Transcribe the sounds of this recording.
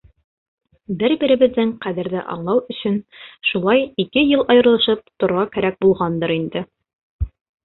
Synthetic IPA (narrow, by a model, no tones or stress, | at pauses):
bɘɾbiɾɘ̆βɘ̆ðːɘŋqæðɘ̆ɾðɘʔɑ̰ɴlˠɑwɵ̆ɕɵnʃulˠɑjikɘjɤlˠɑjɤ̆ɾlˠɤ̆ʃɤp̚t̪ŏɾʁɑkæɾæk̚bulˠʁɑnd̪ɤɾind̪ɘ